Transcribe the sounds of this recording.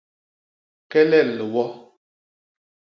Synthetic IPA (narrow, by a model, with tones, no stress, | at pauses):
kɛ˦lɛ˦˨llə˨wɔ˦